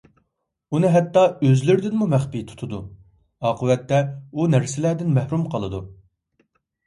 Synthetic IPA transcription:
unɨɦɛt̪ːɑøzlyɾd̪ɪnmumɛχpit̪ʰu̥t̪ʰud̪ṵ | ɑːqʰəwɛt̪ːɛunæɾsɪlæːd̪ɪnmɛhɾumqʰɑlˠɨd̪u

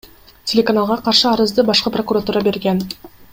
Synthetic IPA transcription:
tʲʰe̞lʲe̞kanalˠʁɑqʰɑɾʃəɑɾəzd̪əbɑʃqəpro̞kuɾat̪uɾɑbe̞ɾɡʲen

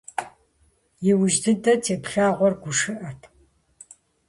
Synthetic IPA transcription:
jɪwʊʒdɨdɐt͡sʰeːpɬaːʁʷɔrɡʷʊʂɨʔɐtʰ

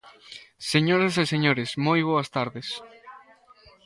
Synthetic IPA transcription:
seɲoɾɐseseɲoɾesmojβ̞oɐst̪aɾðes

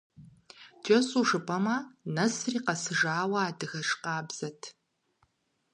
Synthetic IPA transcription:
d͡ʒʼɐsʼuːʂɨpʰʼɐmɐnɐsriːqɐsɨʒaːwɐaːdɨɣɐʂqɑːbz̥ɐtʰ

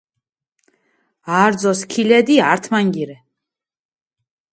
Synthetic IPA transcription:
aːɾd̪zɔskʰilɛd̪iaɾt̪ʰmaŋɡiɾɛ

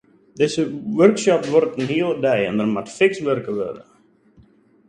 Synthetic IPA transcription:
dɪzəʋørkʃɔpʋɔrtənɦiəlˠədɛjɛ̰ndərmatfɪksʋørkəʋø̰də̰

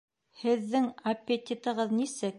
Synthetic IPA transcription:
hɘ̆ðːɘŋɐpʲːet̪ʲit̪ɤ̆ʁɤðnisɘk̚

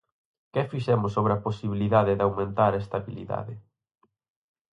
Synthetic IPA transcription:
kɛfiʃɛmʊs̬oβɾeɐposiβiliðaðɪðawmẽnt̪aɾɛst̪aβilḭða̰ðɪ

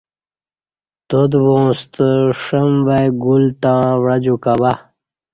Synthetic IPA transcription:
t̪od̪võːst̪əʂəmvajɡult̪ãːwɾad͡ʑukaba

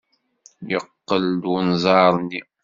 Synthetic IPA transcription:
jəqːəld̪unzˤɑɾˤnːi

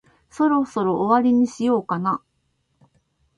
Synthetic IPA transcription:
so̞ɾo̞so̞ɾo̞ʔːβaɾʲiɲ̟iɕijo̞ːkana

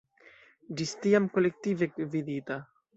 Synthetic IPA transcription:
d͡ʒist̪iamkolek̚t̪ivekvid̪it̪a

